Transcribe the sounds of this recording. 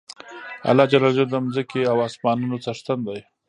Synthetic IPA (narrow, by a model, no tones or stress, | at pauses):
a̰lɑd͡ʒalɑld͡ʒad̪əmzəkeawɑsmɑnunot͡saʂt̪and̪aj